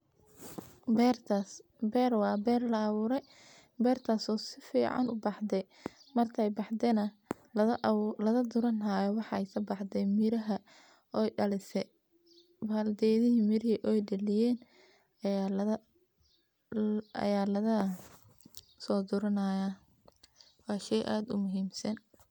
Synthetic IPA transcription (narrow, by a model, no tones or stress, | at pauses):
bɛrʰ | bɛrwɑːbɛːrlɐːβuːɾɛj | bɛːrt̪ʰaːsɔːsɪfiːʕɑ̰nʊbɑħd̪ɛj | mɐrt̪ʰɛjbɑħd̪ɛnɐ | lɐðɐd̪ʊɾɐnajɔwɑħɑɛjkʰɐbɑħd̪ɛjmɪɾɐɦɐ | ɔjɖɐlɪsɛ | baːld̪ɛːjðɪɦimɪɾɪiʔɔjɖɐlɪjɛːn | ɐj | ɐ̰jaːlɐðɐ | sɔːd̪ʊɾɐnɐja | wɑːʃɛjʔaːd̪ʊmʊɦiːmsɐn